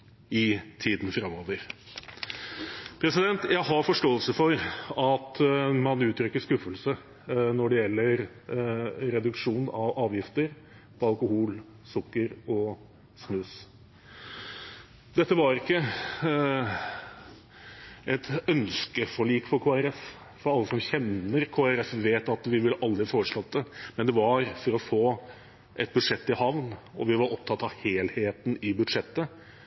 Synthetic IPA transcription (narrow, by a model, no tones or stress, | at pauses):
ɪt̪ʰiːd̪n̩fɾɑmoːʋəɾ | pʰɾɛsɪd̪ɛnt̪jæɪɦɑɾfɔʂʈoːəlsəfɔɾɑt̪mɑnʉːt̪ʰɾʏkːəʂkʉfəlsə | nɔɖɛjɛlːəɾ | ɾɛd̪ʉkʂuːnɑʋɑːʋjɪft̪əɾ | pʰɑlˠkʊhuːl | sʊkːəɾɔ | snʉːs | d̪ɛt̪ːəʋɑɾɪkːə | ʔɛt̪œnskəfɔɭiːkfɔɾkʰoːæɾɛf | fɔɾɑlːəsɔmçɛnəɾkʰoːæɾɛfʋeːt̪ɑt̪ʋɪʋɪlʔɑld̪ɾɪfoːɾəʂlɑt̪̚ːd̪əmɛnd̪ɛʋɑɾfɔɾɔfoː | ʔɛt̪̚bʉd̪ʂɛt̪ːɪhɑʋnɔʋɪʋɑɾɔp̚t̪ʰɑt̪ːɑʋheːlheːt̪n̩ɪbʉd̪ʂɛt̪ːə